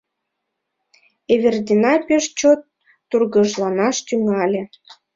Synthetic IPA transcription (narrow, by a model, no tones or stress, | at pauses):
eβerd̪ʲinɑpʲeʃt͡ɕot̪ː | urɣəʒlɑnɑʃt̪yŋɑlʲĕ